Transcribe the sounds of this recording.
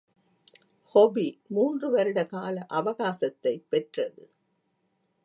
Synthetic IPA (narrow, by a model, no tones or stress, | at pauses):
hɔbimuːndrɯʋɐɾɯɽɐkaːlɐʔɐʋɐɣaːsɐt̪ːɐɪpːɛʈrɐðɯ